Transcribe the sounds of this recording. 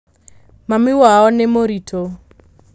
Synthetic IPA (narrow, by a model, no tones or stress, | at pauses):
mamiwaɔnemoɾitʰʼo